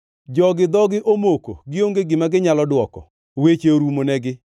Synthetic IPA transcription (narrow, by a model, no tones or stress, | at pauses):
d͡ʒɔɡɪd̪ɔɡɪʔomoko̰ɡɪoŋɡeɡɪmaɡɪɲalɔdwɔkɔ̰ | wet͡ʃeoɾumonɛɡɪ